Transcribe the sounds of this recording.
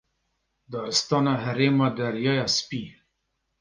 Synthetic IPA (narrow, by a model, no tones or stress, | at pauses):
d̪ɑːɾɨst̪ɑːnɑɦɛɾeːmɑːd̪ɐɾjɑːjɑspiː